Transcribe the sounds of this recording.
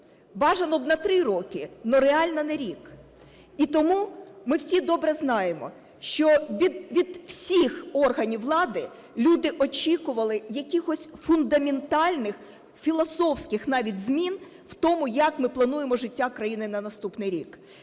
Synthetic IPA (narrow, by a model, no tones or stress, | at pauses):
bɑʒɐnɔbnɐt̪ɾɪɾɔkɪnɔɾeɑlʲnɐnɛɾʲik | it̪ɔmumɪwsʲid̪ɔbɾɛznɑjemɔ̰ | ʃt͡ʃɔʋʲid̪ʋʲid̪w̥sʲixɔrɦɐnʲiwlˠɑd̪ɪ | lʲud̪ɪʔɔt͡ʃʲikʊʋɐlˠɪjɐkʲixɔsʲfʊnd̪ɐmʲent̪ɑlʲnɪx | fʲilˠɔsɔwsʲkɪxnɑʋʲitʲzmʲin | w̥t̪ɔmʊjɐkmɪplˠɐnujemɔʒɪtʲːakɾɐjinɪnɐnɐst̪upnɪjɾʲḭk